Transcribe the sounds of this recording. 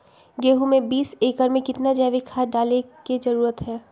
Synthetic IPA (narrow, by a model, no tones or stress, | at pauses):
ɡeːɦumẽbiːseːkəɾmẽkɪt̪nad͡ʒɛːʋɪkʰaːɖaːlekid͡ʒɐɾuːɾət̪ɦɛː